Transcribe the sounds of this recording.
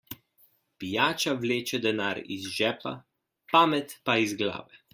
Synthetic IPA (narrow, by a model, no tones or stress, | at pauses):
pijaːt͡ʃawleːt͡ʃɛd̪ɛnaːɾḭzʒɛːpa̰ | paːmɛt̪paizɡla̰ːʋɛ